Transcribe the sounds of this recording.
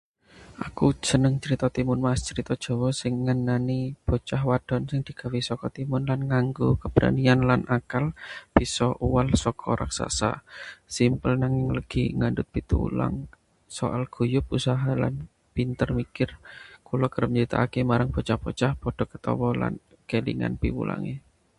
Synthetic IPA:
ʔakud͡ʒ̥ənəŋt͡ʃəɾit̪ɔt̪imʊnmast͡ʃəɾit̪ɔd̥ʒ̥ɔ̤wɔsɪŋːənanib̥ɔ̤t͡ʃaɦwad̥ɔ̤nsɪŋd̪̥i̤ɡ̥a̤wisɔkɔt̪imʊnlanŋaŋɡukəb̥ɾa̰nianlanʔakalb̥i̤sɔʔuwalsɔkʰɔ̰ɾa̰ksa̰sa̰simpəlnaŋɪŋləɡ̥iŋandʊt̪̚pit̪ṵṵla̰ŋ | sɔ̰ʔalɡ̥ṳjʊp̚usaɦala̰n | pint̪ərmikɪrkulɔkəɾəmt͡ʃit̪a̰ːkemaɾaŋb̥ɔ̤t͡ʃahb̥o̤t͡ʃahpod̥ɔ̤kə̥t̪ɔ̰wɔla̰n | kelḭŋa̰npḭwṵla̰ŋḛ

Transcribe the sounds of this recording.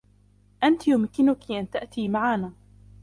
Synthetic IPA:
ʔant̪jʊmkɪnʊkiʔant̪aʔt̪iːmaʕaːnaː

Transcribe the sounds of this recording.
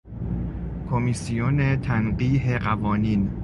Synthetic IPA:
kʰomisijonet̪ʰænɢiːɦeɢævɒːniːn

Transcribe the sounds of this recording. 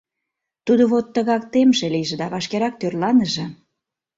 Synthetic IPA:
t̪ud̪oβot̪ːəɣɑk̚t̪emʒĕliʒĕd̪ɑβɑʃkeɾɑk̚t̪ørlɑnəʒĕ

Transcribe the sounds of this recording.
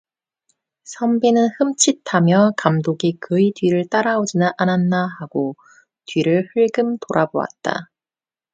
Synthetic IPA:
sʰʌmbinɯnhɯmt͡ɕʰitʰamjʌkamdoɡikɯidɥiɾɯɭt͈aɾaod͡ʑinɯnʔananːahaɡo | tɥiɾɯɭhɯɭɡɯmtoɾʔaboa̰t̚t͈a̰

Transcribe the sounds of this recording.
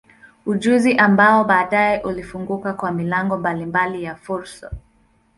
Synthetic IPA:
uʄuziʔambaɔɓaːɗajɛʔulifuŋɡukakwamilaŋɡɔmbalimbalijafuɾsa̰

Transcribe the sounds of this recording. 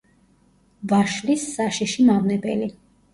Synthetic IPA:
vaʃlisːaʃiʃimavnɛbɛli

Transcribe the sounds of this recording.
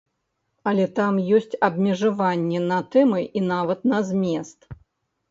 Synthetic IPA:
ɐlʲɛt̪amjɔsʲt͡sʲɐbmʲɛʐavanʲːɛnɐt̪ɛmɨʔinavɐt̪̚nɐzʲmʲɛst̪

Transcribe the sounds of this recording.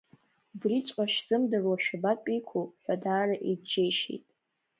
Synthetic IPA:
brit͡sʷʼaʃᶣz̥ɨmdɨrwaʃᶣabakʷʼijkʷʰuħʷᶣadaːraʔidd͡ʒejʃḛjtʼ

